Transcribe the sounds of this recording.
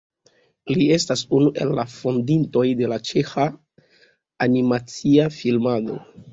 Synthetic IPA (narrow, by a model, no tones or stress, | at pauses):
lie̞stasunuʔe̞̰lːa̰fondinto̞jde̞lat͡ʃe̞xa | nimat͡siafilmado̞̰